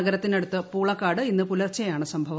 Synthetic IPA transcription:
ɐɣɐɾɐt̪ːine̞ɽut̪ːɨpuːɭɐkːaːɽɨinːɨpulɐrt͡ɕːɐjaːɳɨsɐmbʱɐʋɐ

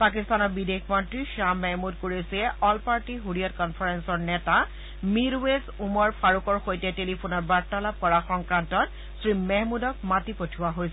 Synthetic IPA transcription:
pakistanɔɹbidekʰmɔntɹiʃamːɛɦmudkoɹisɛɔlpaɹtiɦuɹijɔt̚kɔnpʰaɹensɔɹnɛta | miɹwezumɔɹpʰaɹukɔɹxojtɛtelipʰunɔɹbaɹtːalab̚kɔɹaxɔŋkɹantɔt̚ | sɹimɛɦmudɔk̚matipotʰuwaɦojs

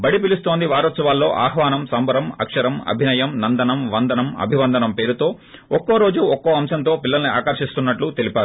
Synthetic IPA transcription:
bɐɽipilust̪o̞ːnd̪iʋaːɾɔt̪sɐʋaːlːo̞ːʔa̰ːɦʋaːnɐmsɐmbɐɾɐmɐ̰kʂɐɾɐmɐ̰bʱinɐjɐmnɐnd̪ɐnɐmʋɐnd̪ɐnɐmɐ̰bʱiʋɐnd̪ɐnɐmpe̞ːɾut̪o̞ː | ɔkːoːɾo̞ːd͡ʒuɔkːoːɐmsɐnt̪̬o̞ːpilːɐlɐnia̰ːkɐɾʃist̪unːɐʈlut̪elipaːɾu

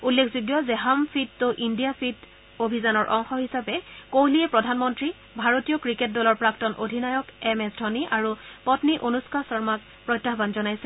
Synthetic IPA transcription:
ulːekʰzuɡjɔzɛɦampʰitːoʔindijapʰit | obʱizanɔɹʔɔ̰ŋxɔɦisapɛkowliɛpɹɔdʱanmɔntɹi | bʱaɹotijɔkɹiket̚dɔlɔɹpɹaktɔnʔodʱinajɔkɛmɛsdʱɔniʔaɹupɔtniʔonuskasɔɹmak̚ | pɹɔjtːaɦbanzɔnajsɛ

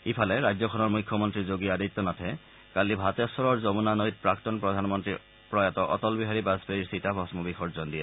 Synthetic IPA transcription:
ipʰalɛɹajzɔkʰɔnɔɹmujkʰːɔmɔntɹizoɡiadit̪ːɔnatʰɛ | kalibʱatɛɔsɔɹɔɹzɔbunanojt̚pɹaktɔnpɹɔdʱanmɔntɹi | pɹɔjatɔʔɔ̰tɔlbiɦaɹibazbeɹiɹsitabʱɔsmɔbixʰɔɹzɔndiɛ

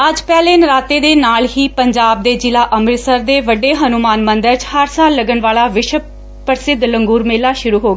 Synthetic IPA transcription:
əd͡ʒpɛːleːnɾaːt̪eːd̪eːnaːlɦiːpəɲd͡ʒaːb̚d̪eːd͡ʒɪlaːʔəmɾɪsəɾd̪eːʋəɖːeːɦənumaːnmə̃nd̪əɾt͡ʃhəɾsaːlːəɡənʋaːlaːʋɪʃ | pəɾsɪd̪ləŋɡuːɾmeːlaːʃʊɾuːɦoːɡaː

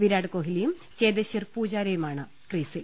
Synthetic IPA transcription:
ʋiɾaːɽɨkoːɦilejum | t͡ɕeːd̪ɐɕɐrpuːd͡ʑaːɾɐjumaːɳɨ | kriːsil

